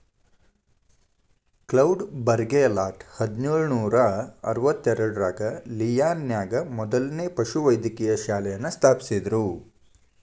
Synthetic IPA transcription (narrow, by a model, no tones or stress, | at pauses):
klɐwɖbɐɾɡelaːʈhɐd̪nuːɭunuːɾɐɐ̰ɾʋɐt̪ːɛɾɐɽuɾaːɡɐlijaːnjaːɡɐmɔd̪ɐlneːpɐʃuʋɐjd̪jɐkijɐʃaːlɛjɐnːɐst̪ʰaːpi̥sid̪ɾu